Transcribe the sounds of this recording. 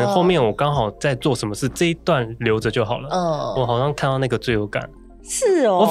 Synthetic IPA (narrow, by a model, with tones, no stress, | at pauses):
ə˧˦xo˥˧ʊmjɛ˥˩nwɔ˨˩kɑ˥ŋxɑ˨˩ʊt͡sa˥˧ɪt͡swɔ˥˩ʂə˧˥nmə˧ʂɻ̩˥˩ʈ͡ʂɤ˥˧i˧˥t̪wa˥˩nljo˧˥ʊʈ͡ʂɤ˨˩t͡ɕjo˥˩ʊxɑ˨˩lə˦˥˩wɔ˨˩xɑ˨˩ʊɕɑ˥ŋkʰnt̪ɑ˥˧ʊna˥˩ɡə˩t͡swe˥˩ɪjo˧˥ʊka̰˨˩˦n | ʂɻ̩˥˩ɔ˨˩